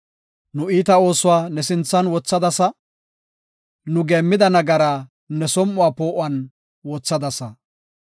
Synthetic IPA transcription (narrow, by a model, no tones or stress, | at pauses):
nʊiːt̪ɐo̞ːsʊwaːnɛsɪnt͡sːɐnwɔt͡sːɐd̪ɐsɐ | nʊɡe̞ːmːɪd̪ɐnɐɡɐɾaː | nɛsɔmːʊwaːpoːʔʊɐn | wɔt͡sːɐd̪ɐsɐ